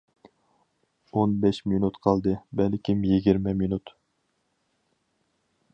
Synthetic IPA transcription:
onbɛʃminut̪qʰɑlˠd̪ɨbɛlkʲʰimjiɡʲiɾmɛminut̪

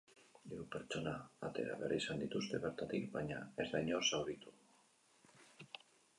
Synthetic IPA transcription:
d̪eupeɾt͡ʃonaat̪e̞̰ɾa̰βeɾisand̪it̪ust̪e̞βeɾt̪at̪ilβaɲaezðaɲosawðit̪u̥

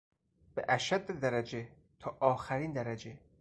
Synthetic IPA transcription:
b̥eʔæʃæd̪ːed̪æɾæd͡ʒe | t̪ʰɒːʔɒːxæɾiːnd̪æɾæd͡ʒe

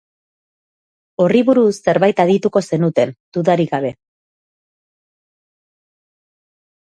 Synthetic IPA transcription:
o̞riβuɾusːe̞ɾβajt̪aðit̪uko̞se̞nut̪e̞nd̪̥uðaɾiɣaβ̞e̞

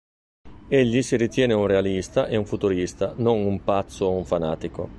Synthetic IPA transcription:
eʎːisiɾit̪jɛːneunrealist̪aʔeuɱfut̪uɾist̪anonumpat̪sːoeuɱfana̰ːt̪iko

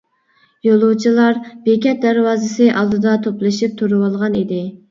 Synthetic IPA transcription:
jolˠuwt͡ʃʰilˠɑɾbekʲɛt̪̚d̪æɾwɑːzɨsɨʔɑlˠd̪ɨd̪ɑt̪ʰoplˠɨʃip̚t̪ʰuɾɨwɑlˠʁɑnid̪ɪ

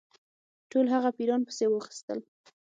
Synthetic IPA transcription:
ʈolɦaɣapiɾɑnpə̥sewəxi̥st̪əl

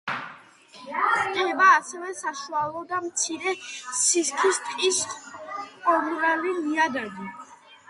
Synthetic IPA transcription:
kʼɛbaːsɛvɛsaʃualˠɔd̪amt̪sʰiɾɛsiskʰist̪ʼqʼis | qʼɔnɾaliliad̪ad̪i

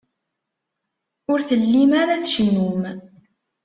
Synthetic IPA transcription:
ʊɾθəlːimaɾaθʃnum

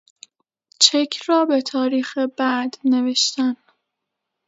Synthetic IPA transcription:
t͡ʃʰekʰɾɒːbe̞t̪ʰɒːɾiːxe̞bæd̪ne̞ve̞ʃt̪æn

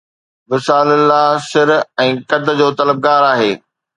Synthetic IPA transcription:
ʋɪsaːlɪlːaɦsɪɾɛ̃ːkɐd̪̆d͡ʑoːt̪ɐləb̚ɡaːɾaːɦeː

